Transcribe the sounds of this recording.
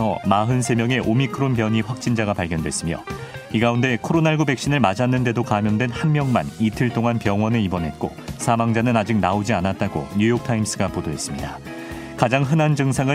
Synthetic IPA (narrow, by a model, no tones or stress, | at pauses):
ʌmaɦɯnsʰe̞mjʌŋe̞ʔomikʰɯɾonpjʌɲiɸwak̚t͡ɕ͈ind͡ʑaɡapaɭɡjʌndwe̞̰s͈ɯmjo̰ | iɡaunde̞kʰoɾonaɭɡube̞k̚ɕ͈inɯɭmad͡ʑanːɯnde̞dokamjʌndwe̞nhanmjʌŋma̰nitʰɯɭt͈oŋanpjʌŋwʌneibʌnɦe̞t̚k͈o̰sʰamaŋd͡ʑanɯnad͡ʑik̚naod͡ʑianat̚t͈aɡo̰ɲujok̚tʰaims͈ɯɡapodoɦe̞s͈ɯmɲida | kad͡ʑaŋɦɯnand͡ʑɯŋsʰaŋɯ